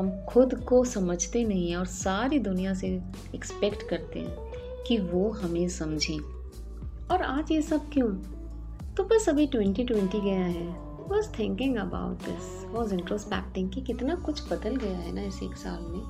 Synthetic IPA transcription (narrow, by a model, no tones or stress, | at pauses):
ɦɐmxʊd̪kosɐməd͡ʒʱt̪enɐɦĩɦɛ̃ɔːɾsaːɾid̪ʊnijãse | ɛkspɛkʈkɐɾt̪ḛɦɛ̰̃ | kiʋoɦɐmẽsɐ̃md͡ʒʱẽː | ɔːɾaːd͡ʒjesɐb̚kjũː | t̪obɐsɐbʱiʈwɛ̃ɳʈiʈwɛ̃ɳʈiɡɐjaɦɛː | ʋɔːzt̪ʰɛ̃ŋkɪ̃ŋɡɐba̰ːʊʈ̚d̪ɪ̰s | ʋɔːzɪ̃ɳʈɾoːspɛ̰ːk̚ʈɪ̃ŋɡkikɪt̪nakʊt͡ʃʰbɐd̪əlɡɐjaɦɛ̰naɪsḛːksa̰ːlmẽː